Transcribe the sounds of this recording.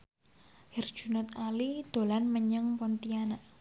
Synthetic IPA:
hɛrd̥ʒ̥ṳnʊt̪alid̪̥o̤lanməɲəŋpɔnt̪ianaʔ

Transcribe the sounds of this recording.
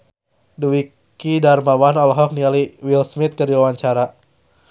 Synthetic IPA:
duwi | kidarmawanɔlɦɔk̚nialiwilsmit̪̚kərdiwawaɲt͡ʃaɾa

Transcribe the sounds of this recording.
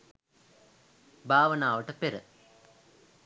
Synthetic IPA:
bʱaːʋənaːʋəʈəpeɾə̰

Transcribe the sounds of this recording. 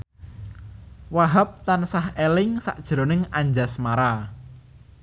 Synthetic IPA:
waɦap̚t̪ansahelɪŋsa̰ʔd̥ʒ̥ɾo̤nɪŋaɲd͡ʒasmaɾa

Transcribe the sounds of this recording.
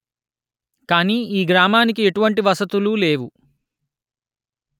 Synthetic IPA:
kaːniːiːɡɾaːmaːnik̬ie̞ʈuʋɐɳʈiʋɐsɐt̪ulule̞ːʋu

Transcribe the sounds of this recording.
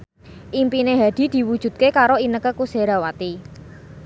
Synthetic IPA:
ʔimpineɦad̪̥i̤d̪̥i̤wud̥ʒ̥ṳt̪̚kekaɾoinəkəkuseɾawat̪i

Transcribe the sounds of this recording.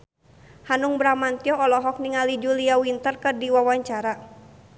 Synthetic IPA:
hanuŋbɾamant̪iɔɔlɔɦɔk̚niŋalid͡ʒuliawint̪ərkɨrdiwawaɲt͡ʃaɾa

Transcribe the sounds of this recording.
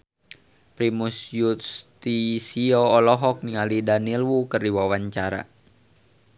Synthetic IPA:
pɾimusjut̪̚st̪isiɔːlɔɦɔk̚niŋalidanilwukərdiwawaɲt͡ʃaɾa̰

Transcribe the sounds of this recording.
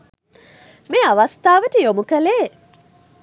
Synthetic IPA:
meaʋast̪aːʋəʈəjomukəleː

